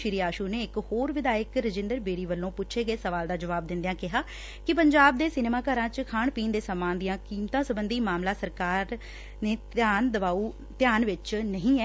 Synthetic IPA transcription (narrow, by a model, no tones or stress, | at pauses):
ʃɪɾiːaːʃuːneːɪkhoːɾʋɪd̪aːjəkɾəd͡ʒɪ̃nd̪əɾbeːɽiːʋəlːõːpʊtːʃʰeːɡəeːsəʋaːld̪aːd͡ʒəʋaːb̚d̪ɪ̃nd̪ejãːkɪɦaː | kɪpəɲd͡ʒaːb̚d̪eːsɪneːmaːkəɾãːt͡ʃkʰaːɳpiːnd̪eːsəːmãːnd̪ɪjãːkiːmt̪ãːsəbənd̪iːmaːmlaːsəɾkaːɾ | neːtaːnd̪əʋaːuː | t̪ɪjaːnʋɪt͡ʃnəɦĩːɛː